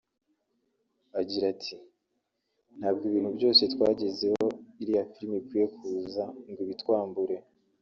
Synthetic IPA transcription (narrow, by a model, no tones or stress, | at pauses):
aɟiɾatʰi | n̥haːb̚ɡoiβiːn̥hubjo̞ːse̞twaːɟe̞ze̞ho̞iɾijafiɾmikwije̞kuːzaŋɡiβitwaːmbuɾe̞